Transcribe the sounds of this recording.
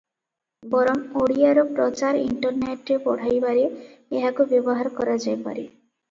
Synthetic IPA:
bɔɾɔmoɽijaɾɔpɾɔt͡ʃaɾḭɳʈɔɾneʈɾepɔɽ̤ajbaɾeeɦakubjɔbɔɦaɾɔkɔɾad͡ʒajpa̰ɾi

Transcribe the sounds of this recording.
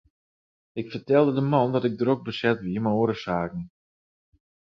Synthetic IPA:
ɪkfərtɛlˠdədəmɑndɔtɪɡ̚dəɾok̚bəsɛtʋiəməoːəɾəsaːkn̩

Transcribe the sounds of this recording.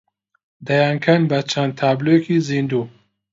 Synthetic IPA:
d̪ɐjaːŋkʰɐnbɐt͡ʃʰɐnd̪̚t̪ʰaːblojekizind̪uː

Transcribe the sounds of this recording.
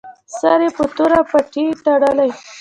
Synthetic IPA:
saɾepət̪oɾapaʈit̪aɽalaj

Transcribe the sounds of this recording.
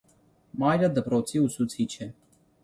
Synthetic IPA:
mɑjɾəd̪əpɾɔt͡sʰiusut͡sʰit͡ʃʰɛ

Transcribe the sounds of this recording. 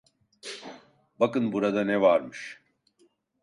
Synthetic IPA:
bɐkɨnbuɾɐd̪ɐneʋaːɾmɨʃ

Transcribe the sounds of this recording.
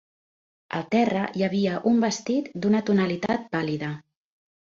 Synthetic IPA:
ə̰lˠt̪ɛrəjəβ̞iəʔumbəst̪it̪d̪unət̪unəlit̪at̪̚baliðə

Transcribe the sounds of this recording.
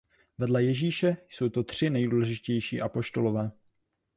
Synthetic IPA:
vɛdlɛjɛʒiːʃɛjso̞wt̪o̞t̪r̝̥ɪnɛjduːlɛʒɪʒɪcɛjʃḭːʔapo̞ʃt̪o̞lovɛː

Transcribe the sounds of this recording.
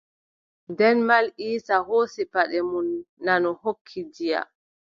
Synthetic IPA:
dɛnmalʔiːsahoːsipaɗɛmunːanɔhokʰːidija̰

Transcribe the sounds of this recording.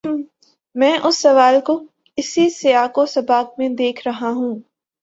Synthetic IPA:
mɛ̃ːʔʊsːɐʋaːlko | ɪsisɪaːkosɐbaːk̚mẽd̪eːkʰɾɐɦaɦũː

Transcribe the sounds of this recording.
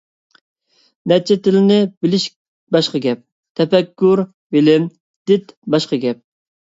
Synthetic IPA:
nɛt͡ʃʰɛt̪ɪlɪnɪbɪlɪʃ | bɑʃqɑɡʲɛp̚ | t̪ʰɛpɛkʲːʊɾ | vɪlɪm | d̪̥ɪt̪bɑʃqɑɡʲɛp̚

